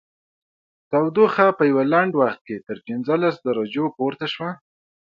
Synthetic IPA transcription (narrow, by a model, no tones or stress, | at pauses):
t̪awd̪oxapəjawalaɳɖwaxt̪̚ket̪əɾpinzəlasd̪aɾad͡ʒopoɾt̪aʃwa